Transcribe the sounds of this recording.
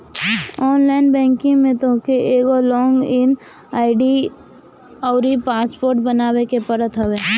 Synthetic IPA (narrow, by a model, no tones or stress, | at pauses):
ɔːnlaɪnbɛ̃ːŋkɪ̃ŋmẽt̪okeeːɡolɔːŋɡɪn | aːɪɖi | ɔːɾipaːspoːɾʈbənaːwekepəɾət̪ɦɐweː